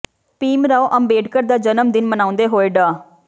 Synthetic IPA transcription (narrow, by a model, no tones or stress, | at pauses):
piːmɾaːoʔəmbeːɖkəɾd̪aːd͡ʒənəmd̪ɪnmənãːʊ̃nd̪eːɦoːeːɖaː